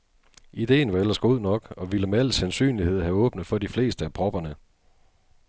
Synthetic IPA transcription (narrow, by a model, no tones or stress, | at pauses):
id̥e̝̰ːn̩ʋɑ̈el̰ɐsɡ̥o̝ð̰ˠnɒ̽ɡ̥ɒ̽ʋiləmeæl̰sænsy̰ːnlihe̝ð̞̰ˠhæɔ̽ːb̥nəð̩ˠfɒ̽difle̝̰ːsd̥əæpʰʁɒ̽b̥ɐnə